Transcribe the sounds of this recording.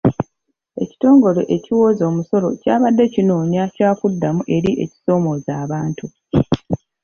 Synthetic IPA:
e̞̰ci̥to̞ːŋɡo̞le̞ʔeciwo̞ːzo̞ːmuso̞lo̞̰caːβadːe̞cinoːɲacaːkudːamuʔe̞ɾiʔe̞̰ci̥so̞ːmo̞ːzaːβaːntu

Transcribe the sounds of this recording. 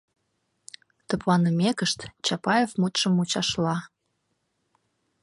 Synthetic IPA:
t̪ə̆plɑnəmʲekəʃt̪t͡ɕɑpɑjevmut̪ʃə̆mut͡ɕɑʃlɑ

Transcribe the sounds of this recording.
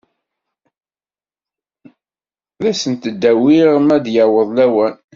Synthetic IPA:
ðæsənt̪əd̪ːæwiʁmæd̪jawəðˤlæwæn

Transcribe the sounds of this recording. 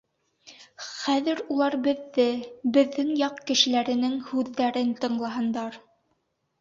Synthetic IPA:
χæðɘɾulˠɑɾbɘ̆ðːɘbɘ̆ðːɘŋjɑqkɘ̆ʃɘ̆læɾɘ̆nɘŋhʉðːæɾɘnt̪ɤ̆ɴlˠɑɦɤ̆nd̪ɑɾ

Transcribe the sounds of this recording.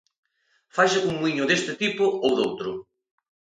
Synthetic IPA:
fajʃuŋiɲʊðest̪ɪt̪ipʊowðowt̪ɾʊ

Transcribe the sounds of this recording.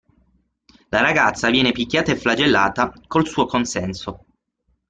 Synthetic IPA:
laɾaɡat̪sːavjɛːnepikːjaːt̪aeflad͡ʒelːaːt̪akolsuːokonsɛnso

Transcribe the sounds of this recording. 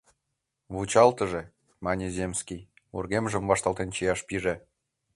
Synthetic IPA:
βut͡ɕɑlt̪ə̆ʒĕ | mɑnʲezʲemskʲij | ṵrɣemʒə̆mvɑʃt̪ɑlˠt̪ent͡ɕijɑʃpiʒe

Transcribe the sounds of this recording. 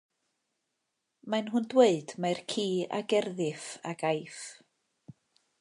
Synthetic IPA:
manɦʊndweɨd̥majrkʰiːa̰ɡɛrðɪfaɡajf

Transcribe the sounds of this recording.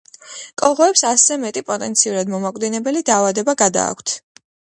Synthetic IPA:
kʼɔʁɔɛpsaszɛmɛt̪ʼipʼɔt̪ʼɛnt̪sʰiuɾad̪mɔmakʼvd̪inɛbɛlid̪aːvad̪ɛbaɡad̪a̰ːkʷʰt̪ʰ

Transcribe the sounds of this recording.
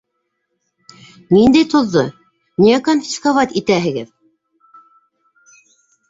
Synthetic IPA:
nind̪æjt̪ŏðːo | nʲijækonfʲi̥skovɑt̪ʲit̪æɦɘ̆ɡɘð

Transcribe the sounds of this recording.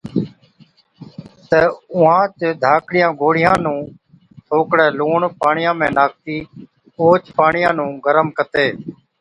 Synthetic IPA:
t̪əʊɦãːt͡ʃd̪ʱaːkɽɪjãːɡʱoːɽɪjãːnũː | t̪ʰoːkɽɛːluːɳpaːɳɪjãːmẽːnaːk̚t̪iː | oːt͡ʃpaːɳɪjãːnũːɡəɾəmkət̪eː

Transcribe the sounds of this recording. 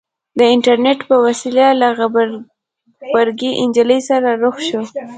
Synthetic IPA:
d̪əɪɳʈaɾneʈpəwasilalaɣ | baɾɡiʔɪnd͡ʒələjsaɾaɾoxʃo

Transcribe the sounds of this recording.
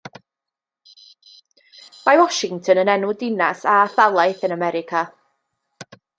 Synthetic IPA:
majwɔʃɪŋtʰənənɛnudɪnasaːθalˠajθənamɛɾɪkʰa

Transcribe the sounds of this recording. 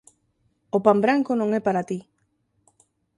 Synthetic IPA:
opambɾaŋkonõŋɛpaɾat̪i

